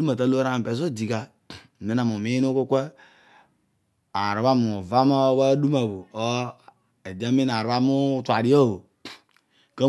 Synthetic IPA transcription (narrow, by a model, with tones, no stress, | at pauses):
u˦ma˨ta˨˦lo˦ɾa˦˨pe˨s̬o˦˨di˨ka˦˨ | me˦na˨m˨u˨mi˦nu˦ku˦kʷe˦ | a˨ɾi˨βa˦m˨o˨va˦ma˦wa˦du˦ma˨βo˨o˦ | e˨d͡ʒa˦me˦n˨a˨ɾa˦mu˦tʷa˨ɾi˦o˦o˨ | ka˦